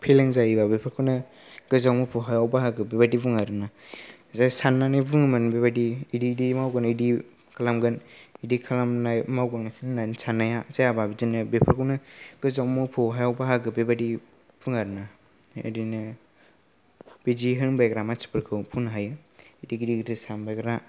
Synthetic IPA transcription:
pʰelaŋzaibabepʰaɾkʰawna | ɡ̥ɯzawmupʰowɦajawbaɦaɡɯbebadibuŋaɾɯna | zasanːanibuŋɯmanbebadiididimawɡanidi | kʰalamɡanidikʰalamnamawɡaŋnasinnansanːajazajababizinɯbepʰɯɾkʰawnaɡ̥ɯzawmɯpʰɯwɦajawbaɦaɡɯbebadi | b̥uŋaɾɯna | ḭdinɯ | b̥id͡ʒiɦɯŋbajɡɾamasi̥pʰɯɾkʰɯwpʰunɦajɯidiɡidiɡitʰɯsanbajɡɾa

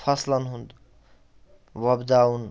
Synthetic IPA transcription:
pʰʌslʌnɦũnd̪ | wʌbd̪aun

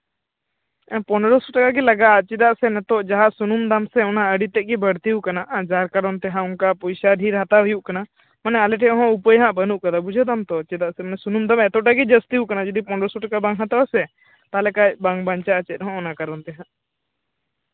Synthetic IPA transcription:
pɔnɾɔsuʈakaɡɛlaɡaʔət͡ʃid̪aʔsɛnɛt̪ɔʔd͡ʒaɦaʔsunumd̪amsɛɔnaəɖit̪ɛʔ̚ɡɛbəɽt̪iukanaʔd͡ʒaɾkaɾɔnt̪ɛɦãunkapɔjsaɖʱiɾɦat̪aɦujuʔkana | manɛalɛʈɛɦɔ̃upəjɦãʔbənuʔkad̪abud͡ʒʱəd̪amt̪ɔt͡ʃid̪aʔsɛmanɛsunumd̪amɛt̪ɔʈaɡɛd͡ʒəst̪iukanad͡ʒɔd̪ipɔnɾɔsuʈakabaŋɦat̪aasɛ | t̪alɛkajbaŋbaɲt͡ʃaʔət͡ʃɛt̪̚ˀɦɔ̃ɔnakaɾɔnt̪ɛɦãʔ

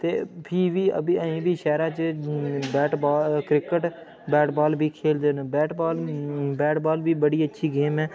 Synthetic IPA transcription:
t̪ḛːpʰiːʋiːə̰biəĩːbʱiːʃɛːɾãːt͡ʃ | bɛːʈbaːkɾɪkəʈ | bɛːʈbaːlbʱiːkʰeːld̪eːnːbɛːʈbaːlbɛːʈbaːlbʱiːbəɽiːətːʃʰiːɡeːmɛ̃ː

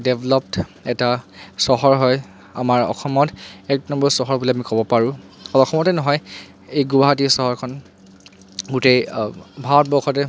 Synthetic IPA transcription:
deblɔp̚tɛtasɔɦɔɹɦɔj | a̰maɹɔ̰xɔmɔtɛk̚nɔmbɔɹsɔɦɔɹbulɛamikɔbɔpaɹʊ̃ | ɔlɔxʰɔmɔtɛnɔɦɔj | ejɡubaɦatisɔɦɔɹkʰɔn | ɡutejbʱat̚bɔxʰɔtɛ

